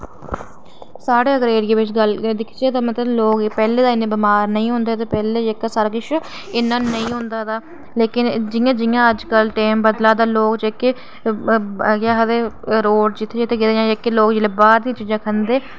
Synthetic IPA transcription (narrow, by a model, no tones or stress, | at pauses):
saːɽeːəɡɾeːɾɪẽːʋɪt͡ʃɡəld̪ɪkʰt͡ʃeːt̪aːmət̪ləbloːkːpɛːleːd̪aːɪnːeːbɪmaːɾnəĩːɦʊ̃nd̪eːt̪eːpɛːleːd͡ʒeːkːaːsaːɾaːkɪt͡ʃʰ | ɪnːãːnəĩːɦʊ̃nd̪aːt̪aː | leːkɪnd͡ʒɪjãːd͡ʒɪjãːəd͡ʒkəlʈeːmbəd̪laːd̪aːloːkd͡ʒeːke | əɡjaːɦəd̪eːɾoːɖd͡ʒɪt̪ʰːeːd͡ʒɪt̪ʰːeːɡed̪ejãːd͡ʒeːkːeːloːkd͡ʒɪleːbaːɾd̪ĩːt͡ʃiːd͡ʒãːkʰənd̪eː